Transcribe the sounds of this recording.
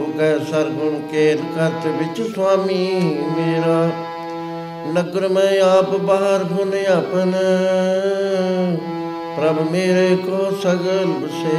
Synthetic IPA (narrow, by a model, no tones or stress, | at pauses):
kɛːsɐɾɡʊnkeːɾkɐɾt̪eʋɪt͡ʃsʊwaːmiːmeːɾaː | nəɡəɾmẽaːpbaɦəɾɦoneapən | pɾɐbumeːɾekoːsɐɡəlbəseː